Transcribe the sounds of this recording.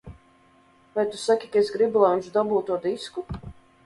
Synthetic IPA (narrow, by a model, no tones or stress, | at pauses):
vajt̪usakʲikaesɡɾibulˠajunʲt͡ʃd̪abuːt̪ːuɔd̪isku